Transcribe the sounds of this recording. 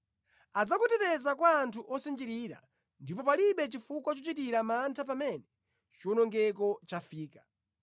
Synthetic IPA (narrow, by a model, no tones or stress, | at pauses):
ad͡zakutɛtɛzakwaːntʰuʔɔsind͡ʒiɾiɾa̰ | ndipɔpaliɓɛt͡ʃifukwat͡ʃɔt͡ʃit̬iɾamantʰapamɛnɛ | t͡ʃunɔŋɡɛk̬ɔt͡ʃafiːka